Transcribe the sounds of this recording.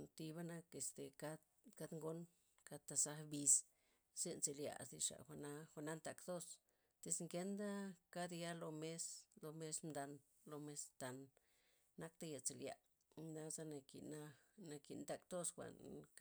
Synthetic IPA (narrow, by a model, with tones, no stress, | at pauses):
nt̪i˧βa˦na˦ke˧st̪e˨ka˦d̪ | ka˦d̪ŋɡo˦n | ka˦t̪a˧sa˦bi˧s | ze˦nt͡se˧lja̰˧˨sd̪i˧ʂa̰˨xʷa˧na˦xʷa˧na˦nt̪a˧˨kt̪o˦s | t̪e˧sŋke˦nd̪a˦ka˦d̪ja˦lo˧me˦slo˧me˦smd̪a˧n | lo˧me˧st̪a˧nː | a˦k̚t̪a˦ja˧t͡se˨lja̰˨ | d̪a˦za˦na˧kḭ˨na˦na˧ki˨nt̪a˧kt̪o˦sxʷa̰˨n